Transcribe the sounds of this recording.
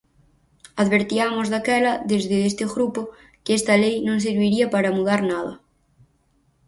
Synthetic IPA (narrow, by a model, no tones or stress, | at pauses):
aðβeɾt̪iamozðakɛlɐðezðɪest̪ɪɣɾupo | kɪest̪ɐlejnõŋs̬iɾβiɾiapaɾamuðaɾnað̞ɐ̰